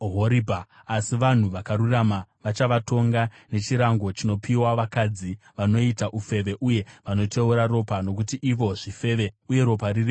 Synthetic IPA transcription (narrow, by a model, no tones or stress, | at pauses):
ɦoɾibʱaː | siʋan̤uʋakaɾuramaʋat͡ʃaʋatʰo̞ŋɡa | ne̞t͡ʃiɾaŋɡo̞t͡ʃino̞piwaʋakad͡zi | ʋano̞itaʔufe̞ʋe̞ʔuje̞ʋano̞tʰe̞uɾaro̞pano̞kutiʔiʋo̞ʐife̞ːʋe̞uje̞ɾo̞pariri